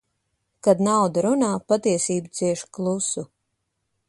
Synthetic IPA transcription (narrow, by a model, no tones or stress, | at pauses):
kad̪nawd̪aɾunaːpat̪iɛsiːbut̪siɛʃklˠusu